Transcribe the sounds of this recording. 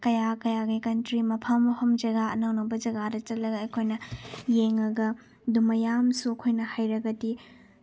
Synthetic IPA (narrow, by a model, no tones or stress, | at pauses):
kɐjakɐjaɡɐkɐntɾimɐpʰɐmːɐhɐmd͡ʒɐɡaɐnɐwnɐbɐd͡ʒɐɡadɐt͡ʃɐtlɐɡɐɐjkʰojnɐjeŋɐɡɐ | dumɐjamsuɐkʰojnɐhajɾɐɡɐti